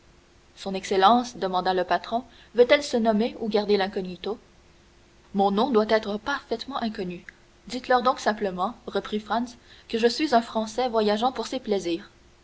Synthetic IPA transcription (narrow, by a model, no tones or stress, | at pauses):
sɔ̃nɛkselɑ̃sd̪əmɑ̃d̪aləpat̪χɔ̃ | vøt̪ɛlsənɔmeuɡaʁd̪elɛ̃kɔnit̪o | mɔ̃nɔ̃d̪wat̪ɛːt̪χəpaʁfɛt̪mɑ̃ʔɛ̃kɔny | d̪it̪lœʁd̪ɔ̃ksɛ̃pləmɑ̃ʁəpχifχãnskəʒəsɥizœ̃fχɑ̃sɛvwajaʒɑ̃puʁseplɛziːʁ